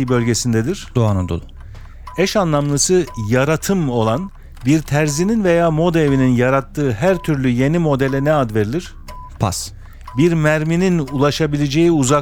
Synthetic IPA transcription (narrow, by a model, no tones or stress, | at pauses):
ibølʲɟe̞sind̪ɛd̪iɾ̥d̪̥oanɯnd̪o̰lˠu | ɛʃanlˠamlˠɯsɯjaɾat̪ʰɯmo̞lˠan | biɾt̪ʰæɾzininve̞jaːmo̞d̪evininjaɾat̪ʰːɯːɦæɾt̪ʰyɾlʲyje̞nimo̞d̪ɛlʲɛnɛad̪ve̞ɾilʲiɾ̥ | pʰa̰s | biɾmæɾmininulˠaʃabilʲed͡ʒe̞jiuzak